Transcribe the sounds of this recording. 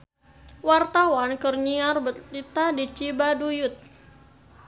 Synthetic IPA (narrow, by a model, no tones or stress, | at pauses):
wart̪awankərɲiarbəlit̪adit͡ʃibadujʊt̪̚